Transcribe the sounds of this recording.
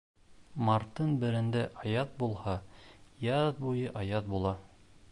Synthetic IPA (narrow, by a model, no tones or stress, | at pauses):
mɑɾt̪ːɤnbɘ̆ɾɘ̆nd̪æʔɑjɑt̪̚bulˠhɑjɑðbujɤʔɑjɑt̪̚bulˠɑ